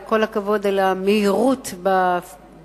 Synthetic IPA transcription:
ko̞lhakavo̞dalameiʁutba

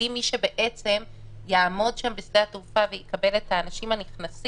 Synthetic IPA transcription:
imiʃe̞be̞ʔe̞t͡se̞m | jaːmo̞dʃambesdeat̪ufavejekabe̞letaːnaʃimaniχnas

